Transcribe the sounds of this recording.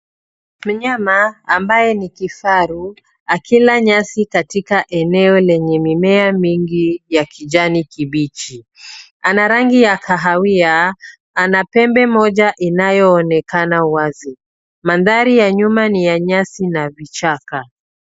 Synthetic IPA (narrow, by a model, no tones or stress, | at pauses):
m̩ɲamaːmbajɛnikifaɾu | akʰilaɲasikatikaʔɛnɛɔlɛɲɛmimɛamiŋɡijakiʄanikiɓit͡ʃi | anaɾaŋɡijakʰaɦawia | anapɛmbɛmɔʄaʔinajɔːnɛkanawazi | manðaɾijaɲumanijaɲasinavit͡ʃaka